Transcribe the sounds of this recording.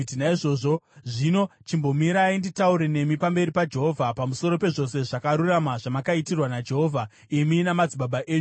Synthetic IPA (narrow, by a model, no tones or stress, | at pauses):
tinaiʐo̞ːʐo̞ʐino̞t͡ʃimbo̞miɾainditauɾe̞ne̞mipambe̞ɾipad͡ʒe̞ɦo̞vʱapamuso̞ɾo̞pe̞ʐo̞se̞ʐakaɾuramaʐamakaitirwanad͡ʒe̞ɦo̞ːvʱa | iminamad͡ziɓaɓaʔeːɲu